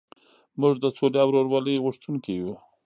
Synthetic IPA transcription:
mʊʐd̪əsoleawɾoɾwɑliɣʊʂt̪unkeju

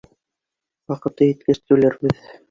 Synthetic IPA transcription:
wɑqɤ̆t̪ɤjɘ̆t̪̚kɘ̆st̪ʉlæɾbɘð

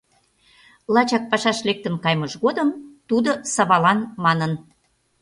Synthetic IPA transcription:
lɑt͡ɕɑk̚pɑʃɑʃlek̚t̪ə̆nkɑjmɤʃɣod̪əmt̪ud̪osɑβɑlɑnmɑnən

